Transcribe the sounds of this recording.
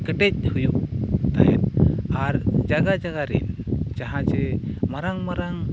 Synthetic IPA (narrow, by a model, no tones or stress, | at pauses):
kəʈɛc̚hujuʔt̪aɦɛt̪̚aɾd͡ʒaɡad͡ʒaɡaɾḭnd͡ʒaɦãt͡ʃɛmaɾaŋmaɾaŋ